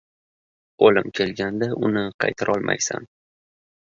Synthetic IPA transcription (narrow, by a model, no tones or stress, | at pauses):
olɪmkʲʰe̞lɡʲand̪aʔʊnɪqʰɑjt̪ʰaɾʔɒlˠmʔa̰jsa̰n